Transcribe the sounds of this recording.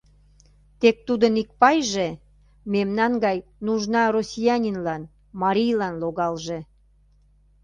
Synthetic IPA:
t̪ek̚t̪ud̪ənik̚pɑjʒe | memnɑnɡɑjnuʒnɑrosʲijɑnʲinlɑn | mɑɾʲijlɑnloɣɑlʒe

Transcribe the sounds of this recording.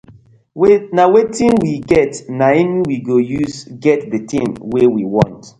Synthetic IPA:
wnawetĩnwiɡɛtnaɛniwiɡojusɡɛtdətĩmwewiwɔ̃nt

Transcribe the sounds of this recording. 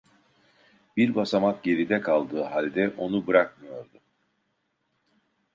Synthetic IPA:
biɾbasamak̪̚ɟe̞ɾid̪ɛkʰalˠd̪ɯːɦalʲd̪ɛʔo̞nubɯɾakmɯjo̞ɾd̪u

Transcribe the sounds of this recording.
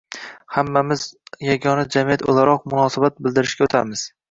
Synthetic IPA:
hamːamɪzjaɡʲɒnad͡ʒamijat̪o̰lˠaɾɒq̚mʊnɒsabat̪̚bɪlˠd̪ɪɾɪʃkʲaot̪ʰa̰mɪz̥

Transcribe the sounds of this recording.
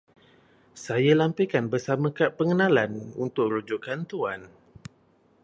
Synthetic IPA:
sajalampikanbəsamãkaʔpəŋənãlanṵnt̪ʊkrud͡ʒukant̪uan

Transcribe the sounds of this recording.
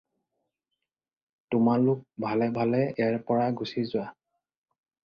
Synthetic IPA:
tʊmalʊk̚bʱalɛbʱalɛɛɹpɔɹaɡusizʊwa

